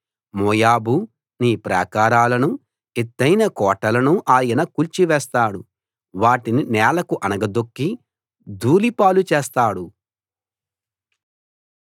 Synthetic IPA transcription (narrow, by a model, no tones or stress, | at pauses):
mɔːjaːbu | niːpɾa̰ːkaːɾaːlɐnu | et̪ːɐjnɐkɔːʈɐlɐnuʔaːjɐnɐkult͡ʃiʋɛːst̪aːɽu | ʋaːʈininɛːlɐkuʔɐnɐɡɐd̪okːi | d̪uːlipaːlut͡ʃeːst̪aːɽu